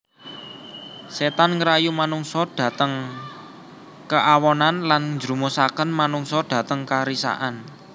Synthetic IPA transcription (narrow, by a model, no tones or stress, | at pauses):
set̪anŋɾajumanuŋsɔɖ̥ä̤t̪əŋ | kəʔawɔnanlanɲd͡ʒɾumosakənmanuŋsɔd̥ä̤t̪əŋkaɾisa̰ʔan